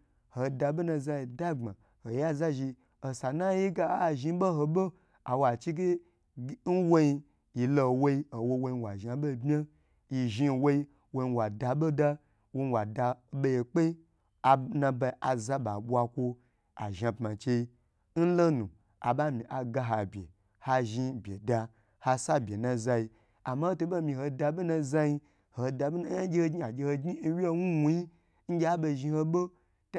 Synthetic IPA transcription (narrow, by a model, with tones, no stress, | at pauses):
ho˨da˧be˦na˧za˧ji˨da˦ɡ͡ba˨ | ho˨ja˦za˦ʒi˧ | o˨sa˨na˦ji˦ɡa˦˨ʒi˧˦bo˦ɦo˧bo˦ | a˨wa˨t͡ʃi˦ɡe˦ | n̩˦wo˦ji˧ | ji˨lo˧˨wo˦i˧˦o˨wo˧wo˧i˧wa˨ʒa˨bo˦˨bmʲ˦a˦ | ji˨ʒi˦˨wo˦i˧ | wo˧i˧˨wa˨da˧ɓo˦da˦ | wo˧wa˨da˧˨ɓe˧je˨k͡pe˦ | a˨nã˧ba˧ʔa˨za˦ɓa˨ɓʷa˧kʷo˧ | a̰˨ʒa˧pma˨t͡ʃe˧i˧ | n̩˦lo˦nu˨ | a̰˨ɓa˦mĩ˨ʔa˨ɡa˧ɦa˨bʲe˨ | ha˧ʒi˧bʲe˨da˧ | ha˧sa˦bʲe˨nã˧za˧ji˧ | a˨ma˦ho˦to˧bo˦˨mĩ˧ho˧da˧ɓo˦nã˧za˦ji˧ | hoo˧da˧ɓna˦a˦ɡʲe˦ho˧ɡi˦a˨ɡʲe˧ho˧ɡɲi˦wʲi˦e˦˧nu˦wu˦ji˦ | ŋ̩˦ɡʲe˦a˦ɓo˧˨ʒi˧ho˧ɓo˦ | t